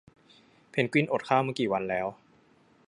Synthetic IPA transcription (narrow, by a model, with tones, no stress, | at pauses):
pʰe˩˦nkwi˥˩nʔo˨˩t̪̚kʰaː˥˩wmɯ˥˩kiː˨˩wa˧nlɛː˦˥w